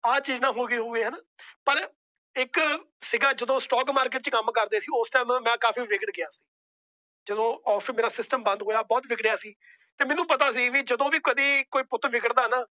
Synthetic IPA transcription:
aːt͡ʃiːznãːɦoːɡəiːɦoːɡeːɦɛːnaːpəɾ | ɪk | sɪɡaːd͡ʒəd̪õːsʈɔːɡmaːɾk̬ɪːʈt͡ʃkəmkəɾd̪eːsiːʊsʈaːmːɛ̃ːkaːfiːʋɪkəɽɡɪaːsi̥ː | d͡ʒəd̪õːɔːfʰmeːɾaːsɪsʈəmbə̃nd̪ɦoːjaːbɔːt̪ʋɪkɽɪjaːsiː | t̪eːmɛ̃ːnũːpət̪aːs̬iːʋiːd͡ʒəd̪õːʋiːkəd̪iːkoːiːpʊt̪ʰːʋɪkəɽd̪aːnaː

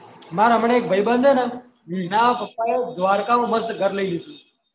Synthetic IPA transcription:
maɾɦəmɳeːk̚bʱəjbənd̪ʱəne | minaʋapəpːaed̪ʋaɾkamãməst̪ɡʱəɾləilid̪ũ

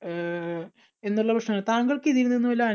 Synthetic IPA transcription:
e̞nːuɭːɐbʰʱɐkʂɐmaːt̪aːŋɡɐɭkeðiɾunːue̞nːuʋɐlaː

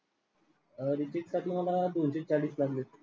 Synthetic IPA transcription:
əɾit͡ɕeksaʈ̪ʰimalad̪onɕet͡ɕaɭiːslaɡle

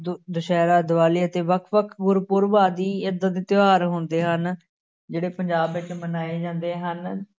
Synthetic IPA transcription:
d̪ʊʃɛːɾaːd̪ʊʋaːliːət̪eːʋəkʰʋəkʰɡʊɾpʊɾʋaːd̪iːɪd̪əd̪ɪt̪ɪaːɾɦoːnd̪eːɦən | d͡ʒeːɽeːpəɲd͡ʒaːbɪt͡ʃmənaːeːd͡ʒãːnd̪eːɦən

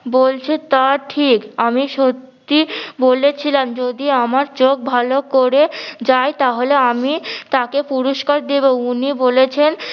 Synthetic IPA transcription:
bolt͡ɕʰet̪aʈʰikamiʃot̪ː | ibolet͡ɕʰilamd͡ʑod̪iamaɾt͡ɕoɡ̚bʱalokoɾed͡ʑaet̪aɦoleamit̪akepuɾoʃkaɾd̪ebounibolet͡ɕʰen

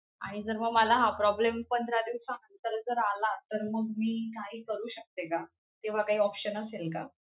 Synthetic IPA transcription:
a̰ɽ̃id͡zəɾməɡməlaɦapɾɔblempənd̪ʱɾad̪iʋsaənt͡səld͡zəɾalat̪əɾməɡmiːkaɦiːkəɾuːɕək̚t̪eka | t̪eʋ̤akaɦiːɔpɕənəselka̰

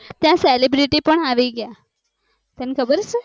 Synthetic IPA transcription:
t̪jãselibɾiʈipəɳaʋiɡja | t̪janikʰəbəɾsə

